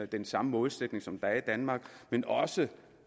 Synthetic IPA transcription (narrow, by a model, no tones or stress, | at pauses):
d̥ensɑ̈məmɔ̽ːðˠsed̥ne̝ŋsɒ̽md̥ɑ̈ɐid̥ænmɑ̈ːɡ̥menɒ̽sə